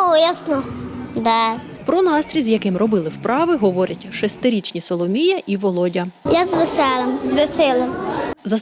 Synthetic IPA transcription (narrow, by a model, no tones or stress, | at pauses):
jasnɔd̪ɛ | pɾɔnɑst̪ɾʲizjɐkɪmrɔbɪlˠɪwpɾʔɑʋɪɦɔʋɔɾʲɐtʲʃɛst̪ɪɾʲit͡ʃnʲisɔlˠɔmʲijɐʔiʋɔlˠɔdʲɐjazʋesɛlˠɐmzʋesɪlʲˠɐmzɐ